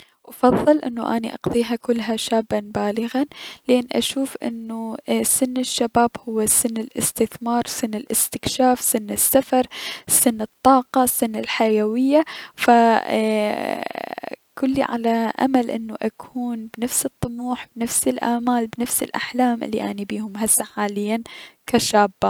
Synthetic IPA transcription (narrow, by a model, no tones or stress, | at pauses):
wʔɑfɑðˤːɨlʔɪnːuʔaniʔɑ̰qðˤiːɦakʊlːɦaʃaːbːanbaːlɪɣanlʔeːnːʔa̰ʃuːfʔɪ̰nːusɪnːɪʃːabaːbhʊwːasɪnːɪlʔɪst̪ɪθmɑːɾˤsɪnːɪlʔɪst̪ɪkʃaːfsɪnːɪsːafɑɾˤsɪnːɨt̪ˤːɑːqɑsːɪnːɪlħajawɪjːafa | kʊlːḭʕa̰laʔa̰malʔɪnːuʔakʰuːnbnafsɨt̪ˤːʊmuːħbɪnafsɪlʔa̰ʕmaːlbnafsɪ̰lʔa̰ħlaːmʔɪ̰lːḭʔanibiːhʊmɦasːaħaːlɪjːankaʃaːbːa